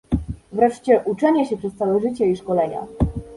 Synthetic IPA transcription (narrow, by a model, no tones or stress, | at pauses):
vɾɛʂt͡ɕɛʔut͡ʂɛɲɛɕɛpʂɛst̪sawɛʐɘt͡ɕɛiʂkɔlɛɲa̰